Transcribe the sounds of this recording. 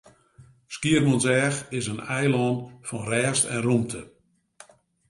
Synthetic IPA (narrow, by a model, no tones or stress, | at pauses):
skiərnɔnsɛːxɪsənɛjlɔːnfɔnrɛːstɛ̰nrumtʰə